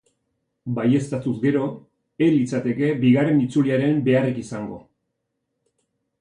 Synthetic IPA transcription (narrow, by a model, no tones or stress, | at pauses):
baje̞st̪at̪uzɡe̞ɾo̞ | elit͡sat̪e̞ke̞biɣ̞are̞nit͡suliaɾe̞mbe̞arekisaŋɡo̞̰